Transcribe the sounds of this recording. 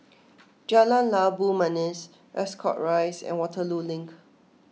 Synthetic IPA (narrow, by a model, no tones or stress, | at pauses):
d͡ʒalãnlabumãnis | ɹɛskʰɔ̰ʔɹajsɛ̰̃nwɔtʰəlulɪ̃ŋk